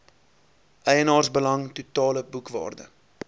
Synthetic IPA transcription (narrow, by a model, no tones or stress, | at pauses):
ʔɛjənɑːrsbəlɐŋtutɑːləbukvɑ̰ːrdə̰